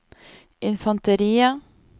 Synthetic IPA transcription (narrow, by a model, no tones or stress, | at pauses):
ʔɪnfɑnt̪əɾiːə